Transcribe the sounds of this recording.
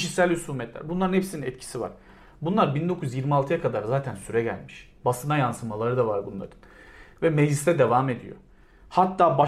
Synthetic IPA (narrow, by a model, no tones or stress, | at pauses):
iʃisælʲysuːmɛt̪lʲæ̰ɾbunlˠaɾɯnhesininɛt̪cʰi̥siva̰ɾ̥ | bunlˠaɾbind̪o̞kʰujyzjiɾmialˠt̪ʰɯjakʰad̪aɾzaːt̪ʰænsyɾɛɟæ̰lʲmiʃ | basɯnajansɯmalˠaɾɯd̪avaɾbunlˠa̰ɾɯn | vɛmed͡ʒlist̪ʰɛd̪e̞vaːme̞d̪ḭjo̰ | hat̪ːaːba